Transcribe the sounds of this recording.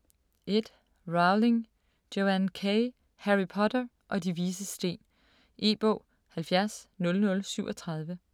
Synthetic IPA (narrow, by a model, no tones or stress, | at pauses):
ʔe̝d̥ | ʁɑ̈ʊle̝ŋ | d̥oænkʰeɪ | hæʁipʰɒ̽dɐ | ʔɒ̽diʋiːs̬əsd̥e̝̰ːn | ʔe̝̰ːb̥ɔ̰ʊː | hælfjæɐsnɔ̽lnɔ̽lsyʊ̰ɒt͡sʰʁɑ̈ð̞ˠʋə